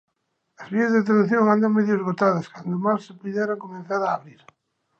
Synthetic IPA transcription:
ɐzβiɐzðet̪̬enθjoŋand̪aŋmeðjozɣot̪aðɐskand̪omassɪpuðɛɾaŋkomẽnθaɾaːβɾiɾ

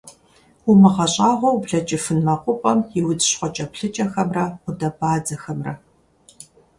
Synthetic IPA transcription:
ʊmɨʁɐɕʼaːʁʷɔwbɮɐt͡ʃʼɪfɨnmɐqʷʼʊpʼɐmjɪwʊd͡zɕχʷɔt͡ʃʼɐpɬɨt͡ʃʼɐxɐmrɐqʷʊdɐbaːd͡zɐxɐmrɐ̰

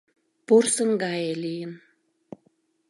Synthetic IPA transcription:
porsə̆ŋɡɑjelijən

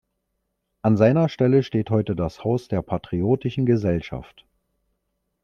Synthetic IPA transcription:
ʔanzaɪnɐʃtɛləʃteːthɔʏtədashaʊsd̥eːɐpʰatʁ̥ioːtɪʃn̩ɡəzɛlʃa̰ft

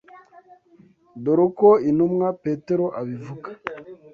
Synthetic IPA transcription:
doɾokoinumŋapeteɾoʔaβivukḁ

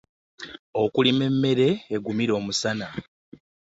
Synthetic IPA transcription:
o̞kulime̞mːe̞ɾe̞ːɡumiɾo̞ːmusana

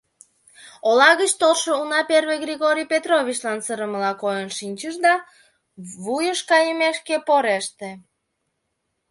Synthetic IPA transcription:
olɑɣət͡ɕt̪olʃounɑperβeɡrʲiɣoɾʲijpet̪roβʲit͡ɕlɑnsəɾəməlɑkojənʃinʲt͡ɕəʃd̪ɑ | βujəʃkɑjəmeʃkepoɾeʃt̪e

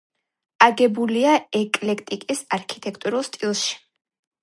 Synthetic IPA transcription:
aɡɛbuliaɛkʼlɛkʰt̪ʼikʼisaɾkʰi̥t̪ʰʼɛkʰt̪ʼuɾulˠst̪ʼilˠʃi̥

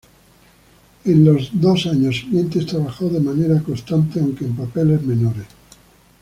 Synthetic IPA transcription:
enlozd̪osaɲosment̪ist̪ɾaβaxoðemaneɾakost̪ant̪eawŋkeːmpapelezmẽnoɾes

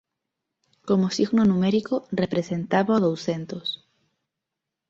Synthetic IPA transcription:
komosiɣnonũmeɾikorepɾe̞se̞nt̪aβoaðowse̞nt̪os

